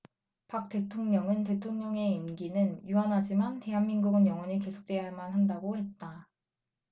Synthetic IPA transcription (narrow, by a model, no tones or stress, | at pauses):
pak̚t͈e̞tʰoŋɲʌŋɯnte̞tʰoŋɲʌŋe̞imɡinɯnjuɦanɦad͡ʑimante̞ɦanmiŋɡuɡɯnjʌŋwʌɲike̞sʰo̥k̚t͈we̞jaɭmanɦandaɡohe̞t̚t͈a